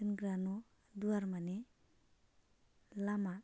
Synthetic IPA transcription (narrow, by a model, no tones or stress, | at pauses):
ɯnɡɾanɔ | duaɾmane | lama